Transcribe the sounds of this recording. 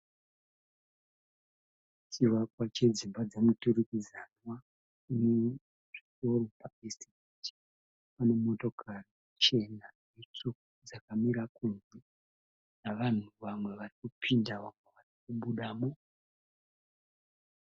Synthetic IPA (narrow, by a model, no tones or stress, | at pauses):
t͡ʃiʋakwat͡ʃe̞d͡zimbad͡zamuturikizanwa | une | ʐ̥iko̞ro̞paestikuti̥ | pane̞mo̞to̞kʰari | t͡ʃe̞nanet͡so | d͡zakamiɾakunze | naʋan̤uʋamwe̞ʋarikupʰindawamaʋarik̚uɓuɗaːmo